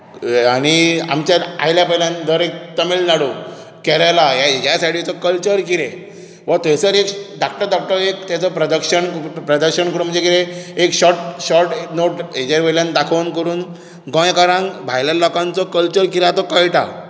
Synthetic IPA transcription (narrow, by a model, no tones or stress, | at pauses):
añia̰mt͡ɕaa̰jljapɛɦljand̪əɾek̚t̪əmilnaɽo | kɛɾajlajajasaʈʰit͡sɔkəlt͡ɕəɾkiɾe | ʋət̪esəɾekɖak̚ʈəɾd̪ɔk̚ʈəɾekt̪jat͡sɔpɾəd̪əkɕənpɾəd̪əkɕənkəɾum̤ə̃nd͡zekiɾeekɕɔʈɕɔʈnoʈed͡ʑaɾpeljãnd̪akʰankəɾuːn | ɡɔ̃jkaɾãŋbʱajljalɔkãnt͡sɔkəlt͡ɕəɾkiɾeat̪ɔkəjʈa̰